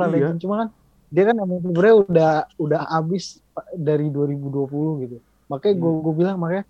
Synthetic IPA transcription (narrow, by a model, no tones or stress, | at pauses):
ɾalɛant͡ʃumakan | diakanamap̬ibəɾaudahudahabɪs | daɾiduaɾibuduapulʊhɡit̪u | makajɡuaɡuabilaŋmakaj